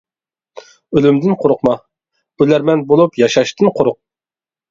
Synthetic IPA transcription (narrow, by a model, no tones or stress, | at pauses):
ølymd̪ɪnqʰoɾʊqmɑ | bulæɾmɛnbolˠupjɑʃɑʃt̪ʰɨnqʰoɾʊq̚